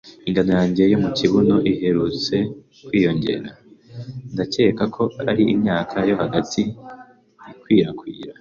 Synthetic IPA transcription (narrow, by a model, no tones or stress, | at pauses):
iŋɡano̞jaːɲɟe̞jomuciβuno̞ʔiɦe̞ɾut͡se̞ | kwiːjo̞ɲɟe̞̰ɾa | ndace̞ːkakʰo̞aɾiimɲaːkʰajo̞haɡatʰi | kwiːɾakwiːɾa